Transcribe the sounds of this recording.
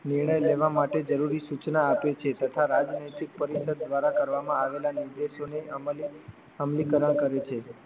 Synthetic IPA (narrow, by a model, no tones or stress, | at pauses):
niɾɳ̃əjleʋamaʈed͡ʒəɾuɾisut͡ʃnaːpet͡ʃʰet̪ət̪ʰaɾad͡ʒnəjt̪ik̚pəɾisəd̪̚ːʋaɾakəɾʋamãaʋelaniɾd̪eʃone | əmlikəɾəɳ̃kəɾet͡ʃʰe